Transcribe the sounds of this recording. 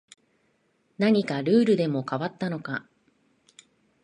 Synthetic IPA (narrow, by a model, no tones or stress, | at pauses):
naɲ̟ikaɾɯ̟ːɾɯ̟d̪e̞mo̞kaβat̪ːano̞ka